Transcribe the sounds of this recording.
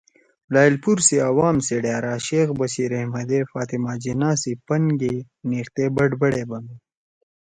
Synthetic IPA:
laːilpuɾseɐwaːmseɽjaːɾaːʃeːxbɐɕiɾɐhmɐd̪efaːt̪imaːd͡ʑinaːsipɐŋɡe | niːxt̪eːbɐɖbɐɽebɐmi

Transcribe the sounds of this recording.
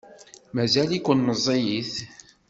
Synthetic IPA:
mæzælikʷːʊnnəzˤːejiθ

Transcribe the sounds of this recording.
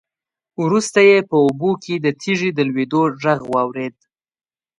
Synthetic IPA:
wɾust̪ajepəubokʰed̪ət̪ʰiʐid̪əlwed̪oʐaɣwɑwɾed̪̚

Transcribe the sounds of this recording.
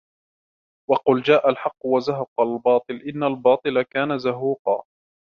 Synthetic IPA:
wɑqʊld͡ʒaːʔalħɑqːwazaɦɑqɑlbɑːt̪ˤɨlʔɪnːalbɑːt̪ˤɨlakaːnazaɦuːqɑ̰ː

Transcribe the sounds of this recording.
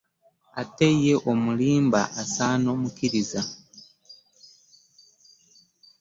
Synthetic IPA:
ate̞je̞ʔo̞muliːmba̰ʔasaːno̞mukiɾiza

